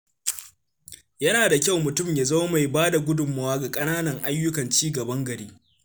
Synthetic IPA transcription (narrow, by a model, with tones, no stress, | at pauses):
jɐ˦naː˨da˨kʲa˦˨wmʊ˨tʊ˦˨mjaː˨zɐ˦wma˨jbaː˦da˨ɡʷʊ˦dʊ˨mːa˦waː˦ɡa˨kʼɐ˦naː˦nɐ˨ŋʔa˦jːʊ˦kɐ˨nt͡ʃiː˦ɡɐ˨bɐ˦ŋɡɐ˨ɾiː˦